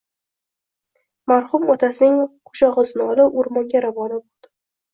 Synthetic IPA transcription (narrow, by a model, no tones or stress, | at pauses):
maɾχʊmɒt̪ʰasɪnɪŋqʰʊ̥ʃɒʁɨzɪnɒlɪʊɾmɒŋɡʲaɾavɒnabolˠd̪̥ɪ